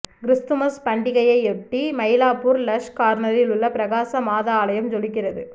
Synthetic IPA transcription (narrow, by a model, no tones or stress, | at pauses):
ɡɾʊst̪ɯmɐspɐɳɖɪɣɐjɐɪɛʈːimɐjlaːpuːɾlɐʂkaːɾnɐɾɪlʊɭːɐpɪɾɐɣaːsɐmaːðaːlɐjɐmd͡ʒɔlɪk̬ːɪrɐðɯ